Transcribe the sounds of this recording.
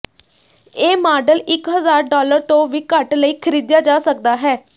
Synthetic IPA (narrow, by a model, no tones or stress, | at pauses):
eːmaːɖəlɪkɦəzaːɾɖɔːləɾt̪õːʋiːkəʈləiːkʰəɾiːd̪jaːd͡ʒaːsək̚d̪aːɦɛː